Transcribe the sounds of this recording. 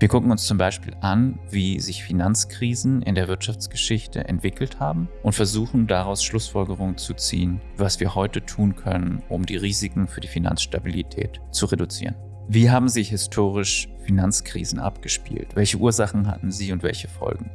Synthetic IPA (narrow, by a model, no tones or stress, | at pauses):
viːɐɡʊkŋ̩ʊnst͡sʊmbaɪʃpḭːlʔanviːzɪçfinant͡skʁ̥iːzn̩ʔɪ̰ndeːɐvɪɐtʃaft͡sɡ̥əʃɪçtʰə̰ʔɛ̰ntv̥ɪkl̩thaːbm̩ʔʊntfɛɐzuːχn̩daʁaʊsʃlʊsfɔlɡəʁ̞ʊŋənt͡sut͡sḭːən | vasv̥iːɐhɔʏtətʰuːnkʰœnənʔʊ̰mdiːʁiːzɪkŋ̩fyːɐdiːfina̰nsʃta̰bilitʰɛ̰ːt | t͡suʁedut͡sḭːʁən | viːɦaːbm̩zɪhɪstʰoːʁ̞ɪʃ | finant͡skʁ̥ḭːzn̩ʔa̰pɡ̥əʃpḭːltvɛlçəʔuːɐzaχn̩ɦa̰tn̩ziːʊntv̥ɛ̰lçəfɔ̰lɡŋ̩